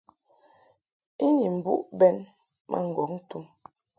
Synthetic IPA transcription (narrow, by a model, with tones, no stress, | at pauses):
i˦ɲi˨m̩˨bṵ˦ʔbɛ˦n | mʔa̰˦ŋ̩˨ɡɔ˨˦kn̩˦tu˦m